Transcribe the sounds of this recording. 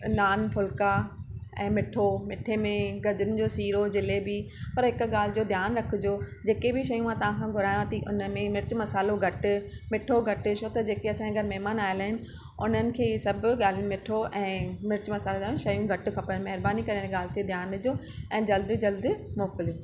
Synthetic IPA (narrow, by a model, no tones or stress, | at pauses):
naːnfʊlkaɛ̃ːmɪʈʰomɪʈʰemẽɡɐd͡ʑʊnɪ̆d͡ʑoːsiːɾod͡ʑɪlebi | pɐɾɦɪkʊɠaːl̤ɪd͡ʑoːd̪ʱjaːnɾɐkʰɪd͡ʑoːd͡ʑeːkebɪʃɐjũmãt̪ɐʋ̤ãkʰãɡʱʊɾaːjãt̪iʔʊ̰nmẽmɪɾt͡ɕmɐsaːloɡʱɐʈʊ̆mɪʈʰoɡʱɐʈɪʃot̪ɐd͡ʑeːkeɐsãẽɡʱɐɾmɛɦmaːnaːɪlaːɦɪnɪ̆ | ʊn̤ənɪ̆kʰeːisɐbʱɠaːl̤ijũmɪʈʰoʔɛ̃ːmɪɾɪt͡ɕmɐsaːlezãʃɐjũɡʱɐʈɪ̆kʰɐpəmɐɦɪɾbaːnikɐɾenẽɠaːl̤ɪt̪ʰied̪ʱjaːnd͡ʑoː | ɛ̃ːd͡ʑɐld̪ɪd͡ʑɐld̪ɪmoːkɪlo